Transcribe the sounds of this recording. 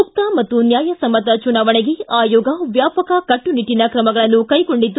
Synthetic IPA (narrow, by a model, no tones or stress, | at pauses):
uk̚t̪ɐmɐt̪ːunjaːjɐsɐmːɐt̪ɐt͡ʃunaːʋɐɳeɡeaːjɔːɡɐʋjaːpɐkɐkɐʈːuniʈːinɐkɾɐmɐɡɐɭɐnːukɐjkoɳɖid̪ːu